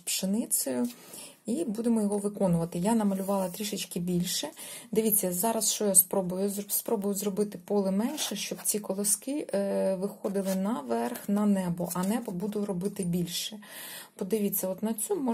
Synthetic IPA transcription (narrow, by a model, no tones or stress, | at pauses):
pʃɪnɪt͡ssʲɔjʊ | ibud̪emɔjɔɦɔʋɪkɔnʊʋɐt̪ɪjanɐmɐlʲʊʋɑlˠɐt̪ɾʲiʃɪt͡ʃkɪbʲilʲʃɛd̪ɪʋʲit͡sʲːɐzɑɾɐsʃt͡ʃɔjaspɾɔbʊjʊzspɾɔbʊjʊzrɔbɪt̪ɪpɔlˠɪmɛnʃɛʃt͡ʃɔbt͡sʲikɔlˠɪskɪʋɪxɔd̪ɪlˠɪnɐʋɛrxnɐnɛbɔʔɐnɛbɔbud̪ʊɾɔbɪt̪ɪbʲilʲʃɛ | pɔd̪ɪʋʲit͡sʲːɐɔt̪nɐt͡sʲumɔ